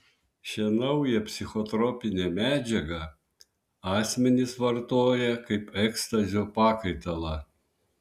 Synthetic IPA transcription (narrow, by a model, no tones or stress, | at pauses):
ʃʲɛnɐʊjɛpʲsʲɪxɔt̪ɾɔpʲɪnʲɛmʲæːd͡ʒʲɛɡɐ | ɑːsʲmʲɛnʲɪsʋɐɾt̪oːjɛkɐɪpɛkst̪ɐzʲopɑːkɐɪt̪ɐlˠɑ